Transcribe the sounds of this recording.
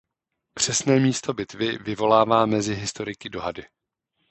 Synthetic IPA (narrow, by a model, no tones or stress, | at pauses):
pr̝̥ɛsnɛːmiːst̪o̞bɪt̪vɪvɪvo̞laːvaːmɛzɪɦɪst̪o̞ɾɪkɪdo̞ɦadɪ